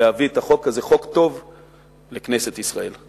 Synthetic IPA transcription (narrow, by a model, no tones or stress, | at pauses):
ehaviet̪aχo̞kːaze̞χo̞kt̪o̞v | le̞kneset̪isʁae̞l